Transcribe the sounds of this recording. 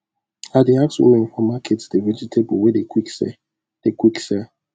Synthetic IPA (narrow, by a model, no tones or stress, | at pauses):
adeakswṵ̃mɛ̃nfɔmakʰetsd̥eved͡ʒitʰebɔwedekwiksɛ̰ | d̥ekwiksɛ